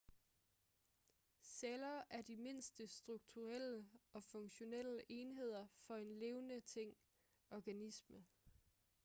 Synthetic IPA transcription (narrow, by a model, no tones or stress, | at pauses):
selɐːʔæɐd̥ime̝n̰sd̥əsd̥ʁuɡ̥̚t͡sʰuʁel̰əɒ̽fɔ̽ŋɕo̝nel̰əʔe̝ːnɦe̝ð̞̰ˠɐfɒ̽e̝nle̝ːʊnət͡sʰeŋ̰ | ɒɡ̥ænismə